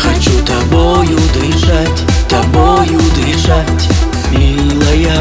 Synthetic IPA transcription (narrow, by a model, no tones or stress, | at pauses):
xɐt͡ɕut̪ɐbɔjʊd̪ɪjʐatʲt̪ɐbɔjʊd̪ɪʐatʲ | mʲi | lˠɐja